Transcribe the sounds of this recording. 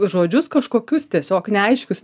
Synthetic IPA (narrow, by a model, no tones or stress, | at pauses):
ʒoːd͡ʒʲʊskɐʃkoːkʲʊst̪ʲiɛsʲoːknʲɛɐɪʃʲkʲʊsʲ